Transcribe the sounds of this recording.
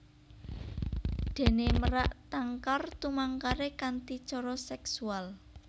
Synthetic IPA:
d̪̥e̤neməɾaʔt̪aŋkɔrt̪umaŋkaɾekant̪it͡ʃɔɾɔsɛksual

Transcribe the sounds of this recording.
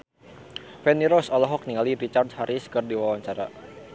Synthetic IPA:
fɛniɾɔsɔlɔɦɔk̚niŋalirit͡ʃardhaɾʔiskɨrdiwawaɲt͡ʃaɾa̰

